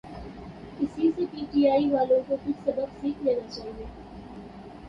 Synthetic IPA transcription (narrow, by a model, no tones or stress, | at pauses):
kɪsisepiːʈiaːiʋaːlõkokʊt͡ʃsɐbəbsiːkʰleːnat͡ʃaːɦieː